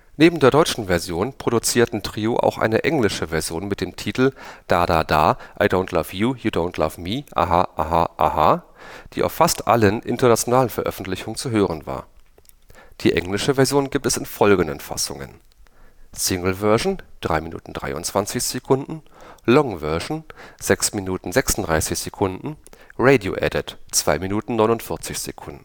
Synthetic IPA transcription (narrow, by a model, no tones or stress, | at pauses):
neːbm̩deːɐɾɔʏt͡ʃn̩vɛɐzjoːnpʁ̥oɾut͡siːɐtn̩tʁ̥iːoʔa̰ʊxʔa̰ɪnə̰ʔɛŋlɪʃəvɛɐzjoːnmɪt̚d̥eːmtʰiːtl̩d̥aːdaːda̰ːʔaɪdoʊntʰlavjuːjuːdõʊntʰla̰vmiːʔa̰ɦaʔaɦaʔa̰ha | d̥iːʔa̰ʊfːastʔa̰lənʔɪ̰ntɐnat͡sjonaːlənfɛɐʔœ̰fn̩tlɪçʊŋənt͡suɦøːʁənva̰ːɐ | d̥iːʔɛ̰ŋlɪʃəvɛɐzjoːnɡiːp̚tɛsɪnfɔlɡŋ̩də̰nfa̰sʊ̰ŋə̰n | sɪŋl̩vɜœɐʒn̩d̥ʁa̰ɪminṵːtn̩dʁa̰ɪʊ̰ntt͡sv̥ant͡sɪçz̥ekʰʊndn̩ | lɔŋvœɐʒn̩z̥ɛksminuːtn̩zɛksn̩tdʁaɪsɪçz̥ekʰʊndn̩ʁeɪdio̰ʔɛ̰dɪtt͡sv̥aɪminuːtn̩nɔʏnʊntfɪɐt͡sɪçz̥ḛkʰʊndn̩